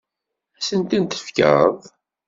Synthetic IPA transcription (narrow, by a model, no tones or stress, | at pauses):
æsənt̪int̪ə̥fkə̰ɾðˤ